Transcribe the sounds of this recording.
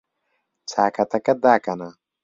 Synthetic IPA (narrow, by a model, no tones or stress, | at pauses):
t͡saːkat̪ɐkɐd̪aːkana